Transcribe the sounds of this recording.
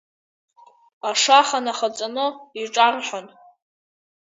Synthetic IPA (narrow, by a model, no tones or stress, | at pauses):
aʂaχanaχat͡sʼanɨiʈ͡ʂʼarħʷan